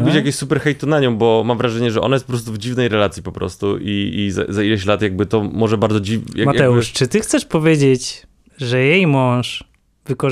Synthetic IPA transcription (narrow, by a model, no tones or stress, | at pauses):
bɘt͡ɕjakʲɔ̃ɕʲsupɛɾxɛjt̪unaɲɔ̃w̃bɔmamvɾaʐɛɲɛʐɛʔɔ̰najɛt̪pɔpɾɔst̪uvd͡ʑivnɛjɾɛlat̪sʲjipɔpɾɔ̰st̪uʔiiza̰zailɛɕlat̪jaɡ̚bɘt̪ɔmɔʐɛbaɾd̪zɔd͡ʑijamat̪ɛuʂt͡ʂɘt̪ɘxt̪sɛʂpɔvʲjed͡ʑet͡ɕ | ʐɛjejmɔ̃w̃ʂ | vɘkɔ